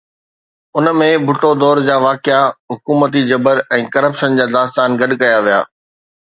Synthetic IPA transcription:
ʊnəmẽbʱʊʈod̪ɔːɾd͡ʑaːʋaːkɪaɦʊkuːmət̪̬id͡ʑɐbəɾɛ̃ːkɐɾəpʃənd͡ʑaːd̪aːst̪aːnɡɐɗkɐjaʋija̰ː

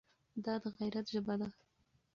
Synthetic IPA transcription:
d̪ɑd̪əɣajɾat̪ʒəbad̪a

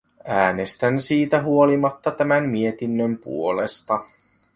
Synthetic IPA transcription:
æːne̞st̪ænsiːt̪æɦuolimɑt̪ːɑt̪æmæmmie̞t̪inːømpṵo̞lest̪ɑ

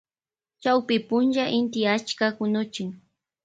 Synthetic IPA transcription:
t͡ʃawpɪpʊnʒaʔɪnt̪ɪat͡ʃkakʊnʊt͡ʃɪŋ

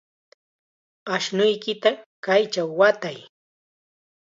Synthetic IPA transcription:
aʃnʊjkɪt̪akajt͡ʃawːat̪aj

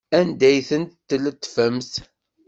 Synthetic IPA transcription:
ænd̪æjθənt̪t̪ːələt̪ːfəmθ

